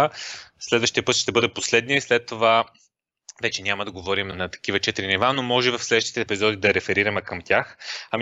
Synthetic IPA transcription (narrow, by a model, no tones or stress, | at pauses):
slɛd̪vəʃt̪ijəpɤət̪ʃt̪ɛbɤd̪ɛposlɛd̪niəislɛt̪ːova | vɛt͡ʃɛnʲamɐd̪ɐɡovɔɾimnɐt̪ɐ̥k̟ivɐt͡ʃɛt̪iɾinivanomɔʒɛvɐfslɛd̪vəʃt̪i̥t̪ɛːpizɔd̪id̪ɐɾɛfɛɾiɾɐmɛkəmt̪ʲjaxɐm